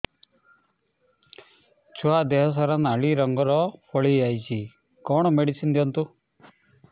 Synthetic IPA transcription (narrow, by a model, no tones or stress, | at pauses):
t͡ʃʰuad̪eɦɔs̬ɔɾanaɭiɾɔŋɡɔɾɔpʰɔɭiajt͡ʃʰi | kɔɳ̃ɔmeɽisind̪jɔnt̪u